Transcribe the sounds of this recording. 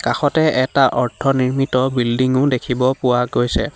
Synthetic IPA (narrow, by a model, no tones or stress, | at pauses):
kaxɔtɛʔɛtaʔɔɹtʰɔniɹmitɔbildiŋʊdekʰibɔpʊwaɡojsɛ̰